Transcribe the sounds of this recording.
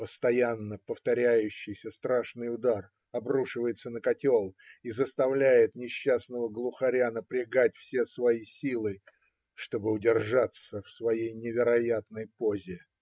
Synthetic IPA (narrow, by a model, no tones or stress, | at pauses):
pəst̪ɐjanːəpəft̪ɐɾʲæjʉɕːɪjsʲəst̪ɾaʂnɨjʊd̪ar | ɐbruʂɨvəjɪt̪sənəkɐtʲolˠizəst̪ɐvlʲæjɪt̪nʲɪɕːasnəvəɡlˠʊxɐɾʲanəpɾʲɪɡat̚ʲfsʲesvɐisʲilˠɨ | ʂt̪o̞bɨʊdʲɪrʐat̪səfsvɐjejnʲɪvʲɪɾɐjat̪nəjpo̞zʲɪ